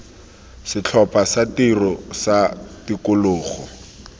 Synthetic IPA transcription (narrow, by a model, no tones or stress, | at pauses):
sɪt͡ɬʰɔpʼasatirɔsatikʊlʊːχɔ